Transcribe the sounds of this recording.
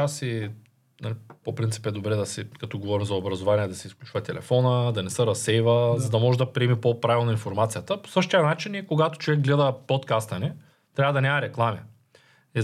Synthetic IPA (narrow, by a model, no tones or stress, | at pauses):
asi | nalipopɾint̪i̥pɛd̪obɾɛd̪ɐsɛkɐt̪ɔɡovɔɾimzɐobɾɐzovanʲiɛd̪ɐsɛisklʲut͡ʃvɐt̪ɛlɛ̰fɔnəd̪ɐnɛsəɾɐsɛjvəzɐd̪ɐmɔʒɛd̪ɐpɾiɛmipopɾavʲilˠnoinfoɾmat̪sijɐt̪əpo̥sɤʃt̪ijɐnat͡ʃinikoɡat̪o̥t͡ʃovɛɡɡlɛd̪ɐpot̪kast̪ɐni | t̪ɾʲavɐd̪ɐnʲamɐɾɛklˠami | ɛ